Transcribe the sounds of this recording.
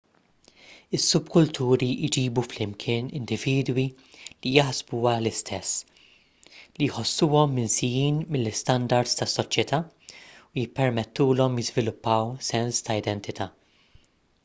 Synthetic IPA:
ɪsːʊbkʊlt̪ʰuːɾid͡ʒiːbuflɪmkʰɪːnɪ̰nd̪ɪviːd̪wi | lijɐħzbuːɐlɪst̪ʰɛsː | lijħɔsːuːɔmːɪnsɪjiːnmɪlːɪst̪ɐnd̪ɐɾd̪st̪ɐsːɔt͡ʃjɛt̪ʰɐː | ujɪpːɛɾmɛt̪ːuːlɔmjɪzvɪlʊpːɐwsɛnst̪ɐɪd̪ɛnt̪ɪt̪ɐː

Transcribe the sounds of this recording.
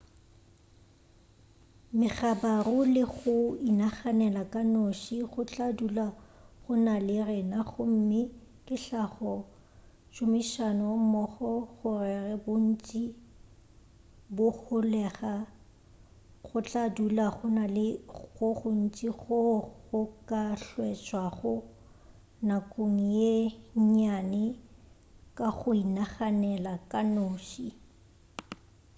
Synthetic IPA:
mɪɣabarʊlɪɣʊinaχanɛlakʼanoʃiχʊt͡ɬʼadulaχʊnalɪrɪnaχʊm̩mɪ | kʼɪɬaχɔ | t͡ʃʼʊmiʃanʊmɔχɔɣʊrɛrɛbʊn̩t͡ʃʼi | bʊχʊlɛχa | ɣʊt͡ɬʼadulaχʊnalɪɣʊχʊn̩t͡ʃʼiɣʊʊkʼaɬwɛt͡ʃʼwaχʊ | nakʼoŋ̩jeɲanɪ | kʼaɣʊinaχanɛlakʼanoːʃi

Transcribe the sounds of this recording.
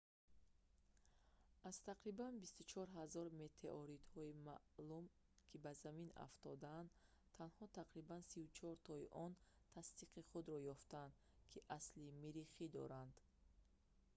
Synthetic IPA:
az̥t̪ʰaqɾibanbist̪ut͡ʃʰɔɾɦazɔɾme̞t̪ʰeʔɔɾit̪hɔima̰ʔlum | kʰibazamina̰ft̪ɔd̪and̪ | t̪ʰːanhɔt̪ʰaqɾibansiut͡ʃʰɔɾt̪ʰɔiʔɔn | t̪ʰast̪iqiχud̪ɾɔjɔft̪and̪ | kʰiʔaslimiɾiχid̪ɔ̰ɾand̪̥

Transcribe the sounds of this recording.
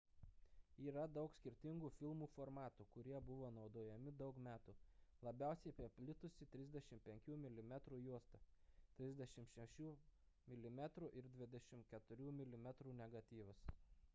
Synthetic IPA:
iːɾɐd̪ɒʊksʲkʲɪɾʲt̪ʲɪŋɡuːfʲɪlˠmuːfoɾmɑːt̪uːkʊɾʲiɛbʊʋoːnɒʊd̪oːjɛmʲɪd̪ɒʊkmʲæːt̪uːlˠɐbʲæˑʊsʲɛɪpʲipʲlʲɪt̪ʊsʲɪt̪ʲɾʲɪzʲd̪ʲɛʃʲɪmpʲɛŋʲkʲuːmʲɪlʲɪmʲɛt̪ɾuːjuɔst̪ɐt̪ʲɾʲɪzʲd̪ʲɛʃʲɪmʃʲɛʃʲuː | mʲɪlʲɪmʲæt̪ɾuːˑʔɪɾd̪ʲʋʲɪd̪ʲɛʃʲɪmkʲɛt̪ʊɾʲuːmʲɪlʲɪmʲɛt̪ɾuːnʲɛɡɐt̪ʲiːʋɐs

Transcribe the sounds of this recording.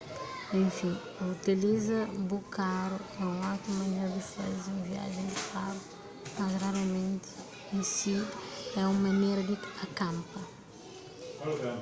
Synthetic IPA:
ẽfĩ | ɐut̪ilizɐbukʰaɾuɛũawt̪ɾɐmɐnejɾɐd̪ifɐzeũvia̰ʒẽj̃d̪ifaɾu | mazraɾamẽnt̪ɪ̥ | ẽsiɛumɐnejɾɐd̪ɪɐkɐ̃mpɐ

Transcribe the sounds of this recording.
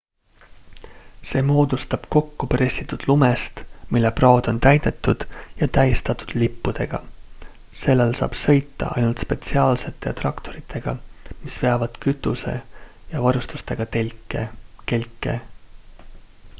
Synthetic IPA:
se̞ːmo̞ːd̪̥ust̪ɑb̥ko̞kːupɾe̞sʲːit̪ːˑud̪̥lumest̪milːeprɑod̪̥o̞nt̪æjd̪̥et̪ːˑud̪̥jɑt̪æjst̪ɑt̪ːˑud̪̥lipːud̪̥e̞ɡ̥ɑ̰ | se̞lːelsɑ̰ːb̥sɤ̞jt̪ːɑ̰ʔɑ̰jnult̪spe̞t̪siɑːlse̞t̪ːˑe̞t̪rɑkt̪o̞ɾit̪ʰːˑe̞ɡ̥ɑ̰mispe̞ɑvɑd̪̥kyt̪ːˑuse̞̰jɑvɑɾust̪u̥st̪e̞ɡ̥ɑkeke̞lʲkːˑe̞̰

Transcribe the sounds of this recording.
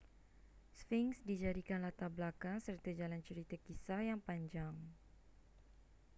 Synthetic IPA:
sfiŋsdid͡ʒadikanlat̪ablakaŋsərt̪ad͡ʒalant͡ʃəɾit̪akisajaŋpaɲd͡ʒaŋ

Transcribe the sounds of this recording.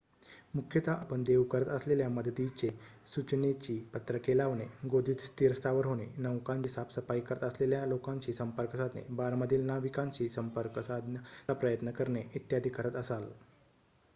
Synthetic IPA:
mukʰjət̪aʔapəɳd̪eʋkəɾət̪əsleljaməd̪t̪it͡ɕesut͡ɕnet͡ɕiːpət̪ɾəkelaʋneɡod̪ʱiːt̪st̪iɾst̪aʋəɾɦoɽ̃enəʋkãɲt͡ɕiːsapsəfaikəɾət̪əsleljalokãɲt͡ɕiːsəmpəɾkəsat̪nḛbaɾməd̪ʱiːlnaʋikãɲt͡ɕiːsəmpəɾkəsad̪apɾəjət̪nəkəɾɳeit̪jad̪ʱikəɾət̪əsal

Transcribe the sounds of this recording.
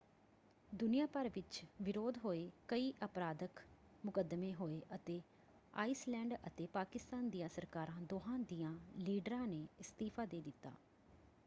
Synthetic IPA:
d̪ʊnɪjaːpəɾʋɪt͡ʃʋɪɾoːd̪ɦoːeːkəiːʔəpɾaːd̪ək | mʊkəd̪mẽːɦoːeːʔət̪eː | a̰ːiːslɛ̃ːɳɖət̪eːpaːkɪst̪aːnd̪ijãːsəɾkaːɾãːd̪oːɦãːd̪iːãːliːɖɾãːneːɪst̪iːpʰaːd̪eːd̪ɪt̪ːa̰ː

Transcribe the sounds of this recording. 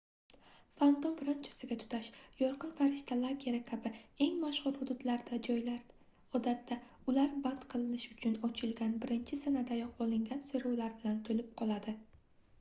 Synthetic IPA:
fant̪omfɾant͡ʃʰḁsɪɡʲat̪ʰʊ̥t̪ʰaʃjɒɾqɨnfaɾɪʃt̪ʰalˠaɡʲiɾakʲʰabɪe̞ŋmaʃχʊɾhʊd̪ʊd̪laɾd̪ad͡ʒɒjlaɾ | ɒd̪at̪ʰːa | ʊlaɾbant̪qʰɨlˠɪnɪʃʊt͡ʃʰʊnɒt͡ʃʰɪlɡʲanbɪɾɪnt͡ʃʰɪsanad̪ajɒq̚bolˠɪŋɡʲansoɾɒwlaɾbɪlant̪ʰolɪp̚qʰɒlˠad̪ɪ

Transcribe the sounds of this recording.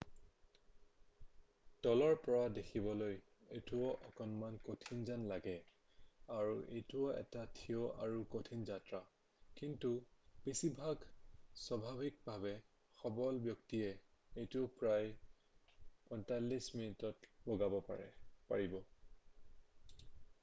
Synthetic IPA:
d̥ɔlɔɹpɔɹadexʰibɔloj | ejtuɔʔɔkɔnmankotʰinzanlaɡɛ | aɹuʔḛjtuɔɛ̰tatʰioʔa̰ɹukotʰinzatɹa | kintupisibʱaɡswabʱabʱik̚bʱabɛ | xɔbɔlbjɔktiɛejtupɹaj | pɔjntalːisminutɔtbɔɡabɔpa̰ɹɛ̰pa̰ɹibɔ

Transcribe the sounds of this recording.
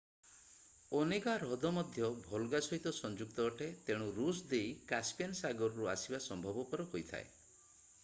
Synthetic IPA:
ɔnekaɾɔd̪ɔmɔd̪ʱjɔbʱɔlɡasɔɦit̪ɔsɔnd͡ʒuk̚t̪ɔːʈʰet̪eɽ̃uɾusd̪ejkaspijansaɡɔɾɔɾuasibasɔmbʱɔbɔpɔɾɔɦojt̪ʰa̰e

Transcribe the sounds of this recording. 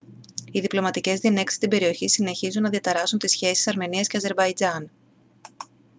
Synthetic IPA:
iðiplo̞mɐt̪ice̞zðine̞ksi̥st̪imbe̞ɾio̞çisine̞çizunːɐðiɐt̪ɐɾɐsunt̪isçe̞si̥sɐɾme̞niɐsce̞ɐze̞ɾbɐid͡zɐn

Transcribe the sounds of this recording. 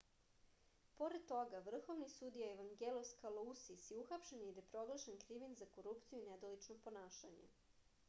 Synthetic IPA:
po̞ɾed̪̚t̪o̞ɡaʋr̩xo̞ʋnisud̪ijaeʋaŋɡeloskalˠousisiuxapʃenid̪epɾo̞ɡlˠaʃenkɾiʋinzako̞ɾupt̪sijuined̪olit͡ʃnopo̞naːʃaɲḛ

